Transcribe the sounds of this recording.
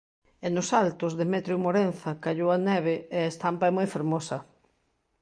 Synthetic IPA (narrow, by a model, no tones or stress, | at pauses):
enʊsalt̪ʊzðɪmɛt̪ɾjʊmoɾenθɐkaʎowanɛβ̞eeaest̪ampɐɛmojfeɾmosɐ